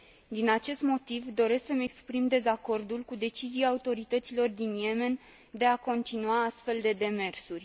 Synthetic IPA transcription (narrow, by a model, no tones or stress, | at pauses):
d̪inat͡ʃe̞st̪mo̞t̪ivd̪o̞ɾe̞sksəmeekspɾimd̪e̞zako̞rd̪ulkud̪e̞t͡ʃiziaːut̪o̞ɾit̪ət̪silo̞rd̪inje̞me̞n | d̪e̞ako̞nt̪inuaast̪fe̞ld̪e̞d̪e̞me̞rsurʲ